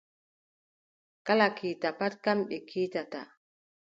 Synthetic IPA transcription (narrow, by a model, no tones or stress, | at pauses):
kalakʰitapat̚kamɓɛkʰiːtata̰